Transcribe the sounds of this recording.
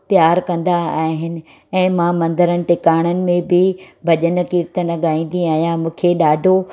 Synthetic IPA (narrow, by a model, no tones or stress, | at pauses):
pjaːɾkɐ̃nd̪aaːɦɪnɪ̆ | ɛ̃ːmãmɐ̃nd̪əɾənɪ̆ʈɪkaːɽ̃ənɪ̆mẽbɪbʱɐʄənəkiːɾt̪ənɐɠaːĩːn̆d̪iaːɦijãmũːkʰeɗaːɖʱo